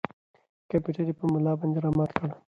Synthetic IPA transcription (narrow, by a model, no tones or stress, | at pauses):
kampjuʈaɾipəmʊlɑbɑnd̪eɾɑmɑt̪kəɽ